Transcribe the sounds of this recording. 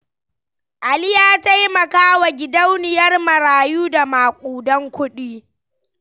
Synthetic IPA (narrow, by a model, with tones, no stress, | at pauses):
ʔa˨lɪ˦jaː˦ta˦jmɐ˨kaː˦wa˨ɡʲɪ˨dɐ˦wnɪ˨jɐ˦rmɐ˨ɾaː˨juː˦da˨maː˨kʷʼuː˨dɔ˦ŋkʷʊ˦ɗiː˦